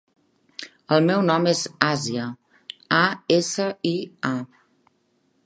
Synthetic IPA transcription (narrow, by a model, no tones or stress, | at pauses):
əlˠmɛwnɔmezaziə | aesəia